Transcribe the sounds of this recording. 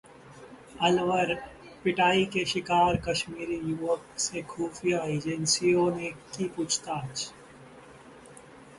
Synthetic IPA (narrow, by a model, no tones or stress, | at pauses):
ɐlʋəɾ | pɪʈaːikeʃɪkaːɾkɐʃmiːɾijuːʋəksekʰuːfijaeːd͡ʒənsijõnekiput͡ʃʰt̪aːt͡ʃ